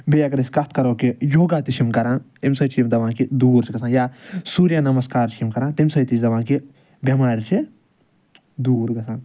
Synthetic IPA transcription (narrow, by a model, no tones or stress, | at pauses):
bejakɐɾisʲkɐt̪̚ʰkɐɾoːkijoːɡaːt̪it͡ʃʰimkɐɾãːnt̪imsɐt͡ʃʰimd̪ɐʋãːkid̪uːɾt͡ʃʰiɡɐsaːnjaːsuːɾjanɐmɐskaːɾt͡ʃʰimkɐɾãːnt̪imsɐjt̪it͡ʃʰd̪ɐʋãːki | bjɐmaːɾt͡ʃʰi | d̪uːɾɡɐsʰãːn